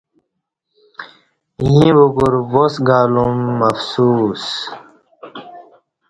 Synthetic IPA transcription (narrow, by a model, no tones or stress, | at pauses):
jĩbuɡuɾwosɡaːlumːɐfsuːs